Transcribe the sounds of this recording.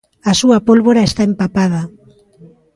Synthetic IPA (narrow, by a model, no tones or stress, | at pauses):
asuapolβoɾaest̪aempapað̞a